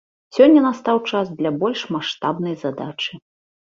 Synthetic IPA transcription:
sʲɔnʲːɐnast̪awt͡ʂasd̪lʲabɔlʲʂmaʂt̪abnɐjzad̪at͡ʂɨ

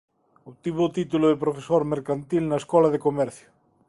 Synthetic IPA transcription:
oβt̪iβot̪it̪ulʊðepɾofesoɾmeɾkant̪ilnaeskɔlaðekomɛɾθjʊ

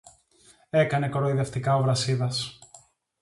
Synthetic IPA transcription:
e̞kɐne̞kɾo̞iðe̞ft̪ikɐo̞vɾɐsiðɐs

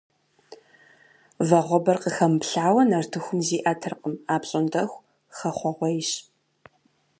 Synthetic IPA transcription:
vɐʁʷɔbɐrqəxɐmpɬaːwɐnɐrtʰɨxʷʊmziːʔɐtʰɨrqəmaːpɕʼɪndɐxʷ | xɐχʷɔʁʷɔjɪɕ

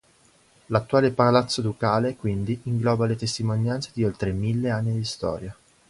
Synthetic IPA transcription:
lat̪ːuaːlepalat̪sːod̪okaːlekwind̪iiŋɡlɔːbalet̪est̪imonjant̪sed̪iolt̪ɾemilːeanːid̪ist̪ɔ̰ːɾja

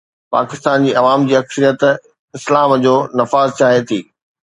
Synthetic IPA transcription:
pa̰ːkɪst̪aːnd͡ʑiːɐʋaːmd͡ʑiːɐksəɾijət̪ | ɪslaːmd͡ʑoːnɐfaːzt͡ɕaːɦet̪ʰiː

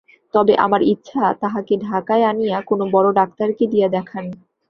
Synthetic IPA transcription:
t̪ɔbeʔa̰maɾitːɕʃʰat̪aɦakeɖʱakaeanijakonobɔɾoɖak̚t̪aɾked̪ijad̪ɛkʰani

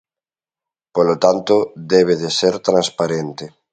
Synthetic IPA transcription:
polot̪ant̪od̪eβ̞eðeseɾt̪ɾãnspaɾent̪e

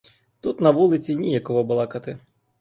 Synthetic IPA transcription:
t̪ut̪nɐʋulˠɪt͡sʲinʲijɐkɔɦɔbʊlˠɑkɐt̪ɪ

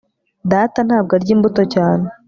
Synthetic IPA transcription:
daːtan̥haːb̚ɡaɾɟiːmbuto̞caːne

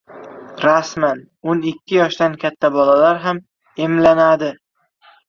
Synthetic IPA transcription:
ɾasman | onɪkʲːɪjɒʃd̪ankʲʰat̪ʰːabɒlalaɾɦam | emlanad̪ɪ

